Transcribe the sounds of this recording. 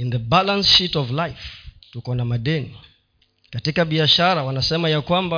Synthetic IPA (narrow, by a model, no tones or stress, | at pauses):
ind̪əbalãnsʃitɔvlajftukonamadeni | katikabiaʃaɾawanasɛmajakwamba